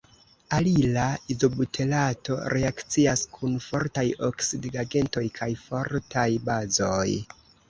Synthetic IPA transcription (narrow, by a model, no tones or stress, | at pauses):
alilaizo̞butʰe̞lato̞̰ɾe̞akt͡siaskʰunfo̞ɾtajo̞ksidɡaɡe̞nto̞jkʰajfo̞ɾtʰajbazo̞j